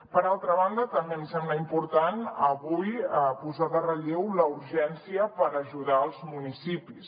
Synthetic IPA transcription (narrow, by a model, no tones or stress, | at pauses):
pəɾalˠt̪ɾəβ̞and̪ət̪əmbemsɛmbləimpuɾt̪anəβujəpuzaðərəʎewləuɾʒɛnsiəpəɾəʒuðaəlˠzmunisipis